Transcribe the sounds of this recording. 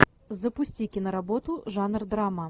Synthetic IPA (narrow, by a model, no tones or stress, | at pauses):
zɐpusʲt͡sʲikʲɪnɐɾabɔt̪uʐanrd̪ɾamɐ